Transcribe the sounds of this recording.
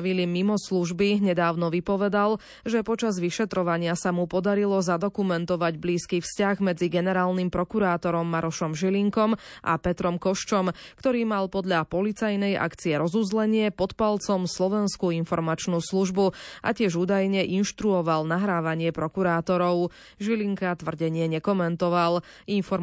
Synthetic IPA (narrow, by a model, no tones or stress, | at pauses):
ʋilimimɔsluʒbiɲɛd̪aːʊnɔʋipɔʋɛd̪al | ʒɛpɔt͡ʃazʋiʃɛt̪ɾɔʋaɲɪasamupɔd̪aɾilɔzad̪ɔkumɛnt̪ɔʋaɟbliːskiːfscaɣmɛd͡ziɡɛnɛɾaːlnimpɾɔkuɾaːt̪ɔɾɔmːaɾɔʃɔmʒiliŋkɔmʔa̰pɛt̪ɾɔmkɔʃt͡ʃɔmkt̪ɔɾiːmalpɔd̪ʎapɔlit͡sajnɛjʔa̰kt͡siɛɾɔzuzlɛɲɪɛpɔt̪palt͡sɔmslɔʋɛnskuinfɔɾmat͡ʃnuːsluʒbuʔa̰cɪɛʒuːd̪ajɲɛʔinʃt̪ɾuɔʋalnaɦɾaːʋaɲɪɛpɾɔkuɾaːt̪ɔɾɔʊ | ʒiliŋkat̪ʋr̩ɟɛɲɪɛɲɛkɔmɛnt̪ɔʋalinfɔ